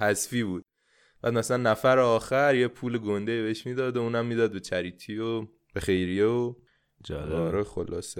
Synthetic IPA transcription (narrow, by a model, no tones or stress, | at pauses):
hæzfiːbuːd̪̥̚ | b̥æ̰ːd̪mæsælænːæfæɾeɒːxæɾjepʰuːleɡond̪ejibeeʃmiːd̪ɒːd̪ouːnæmːiːd̪ɒːd̪̚be̞t͡ʃʰæɾiːt̪ʰiːo | b̥exe̞jɾijeo | d͡ʒɒːɾoxolɒ̰ːse